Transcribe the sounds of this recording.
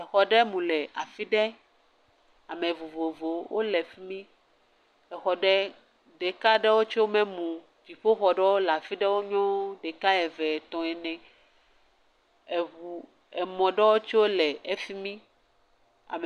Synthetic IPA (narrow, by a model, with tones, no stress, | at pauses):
ɛ˨xɔ˨ɖɛ˦mũ˨lɛ˨a˨fi˦ɖɛ˦ | a˨mẽ˨vu˨vo˨vo˨wo˦lɛ˨fi˦mĩ˦ | ɛ˨xɔ˨ɖɛ˦ | ɖe˨ka˦ɖɛ˦wo˦t͡ʃo˦wo˦mɛ̃˦mũ˨ | vi˨ɸo˦xɔ˨ɖɛ˦wo˦la˨fi˦ɖɛ˦wo˦ɲɔ̃˦ɖɛ˨ka˦ɛ˨vɛ˨t̪ɔ̃˨ɛ˨nɛ̃˨ | e˨u˨ | ɛ˨mɔ̃˨ɖɛ˦wo˦t͡ʃi˦wo˦lɛ˨e˦fi˦mĩ˦ | a̰˨m˨